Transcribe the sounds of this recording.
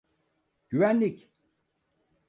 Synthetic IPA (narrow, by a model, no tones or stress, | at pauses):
ɟ̥yvænlʲic